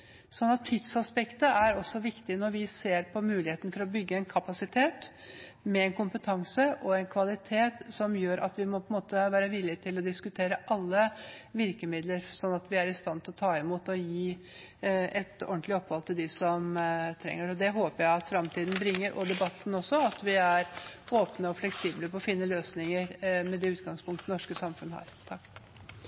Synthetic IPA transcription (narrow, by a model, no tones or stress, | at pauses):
sɔnːɑt̪ʰːɪt̪sɑspɛkt̪əæɾɔsːɔʋɪkt̪ɪnɔɾʋɪseːɾpʰɔmʉːlɪheːt̪ənfɔɾɔbʏɡːəɛnkʰɑpɑsɪt̪ʰeːt̪ | mɛɛnkʰʊmpət̪ʰɑŋsəʔɔɛnkʰʋɑlɪt̪ʰeːt̪sɔmjøːɾʔɑ̰t̪ʋɪmɔpʰɔənmoːt̪əʋæːɾəʋɪlːɪt̪ʰɪlɔd̪ɪskʉt̪ʰeːɾəʔɑlːəʋɪɾkəmɪd̪ləɾsɔnːɑt̪ʋɪæɾɪst̪ɑnt̪ʰɪlɔt̪ʰɑːɪmuːt̪ɔjiː | ʔɛt̪ɔ̰nt̪lɪɔpːʋɑlt̪ʰɪld̪ɪsɔmt̪ʰɾɛ̰ŋːəɾɔd̪ɛɦoːpəɾjæɪɑt̪fɾɑmt̪ʰiːd̪n̩bɾɪŋːəɾʔɔ̰d̪ɛbɑt̪ːn̩ɔsɔɑt̪ʋɪæɾoːpnəɔflɛksiːbləpɔɔfɪnːəløːsnɪŋəɾmɛd̪ɛːʉːt̪ɡɑŋspʰʊŋkt̪ənɔʂkəsɑmfʉnhɑ̰ɾt̪ʰɑkː